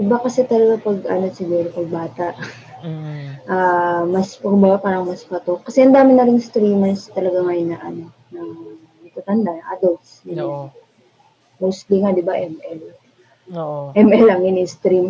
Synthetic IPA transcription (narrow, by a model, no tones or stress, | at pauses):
ɪbakɐsɛt̪ɐlɐɡapɐɡʔɐ̰no̞sɪɡuːɾopɐɡ̚baːt̪ɐʔ | ʔamɐspkʊmbɐɡapaːɾɐŋmɐspɐt̪okːɐsɛhɐnd̪aːmɪnɐɾɪŋst̪ɾiːmɐnst̪ɐlɐɡaŋajnɐʔɐno̞ | nɐ | nɐɡ̚t̪at̪ɐnd̪aʔa̰ːd̪ɐlt̪snɪn | mowst̪liŋad̪ɪbaʔɛmʔɛl | ʔɛmʔɛlɐŋɪnɪst̪ɾim